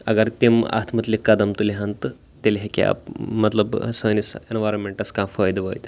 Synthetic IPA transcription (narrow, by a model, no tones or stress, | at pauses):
ɐ̰ɡɐɾt̪ima̰t̪ʰmət̪likɐd̪ɐmt̪uliɦãnt̪ | t̪elɦekʲa̰pmɐt̪ləbsojnisenʋajɾonmeɳʈɐskãfɔjd̪ʋəjt̪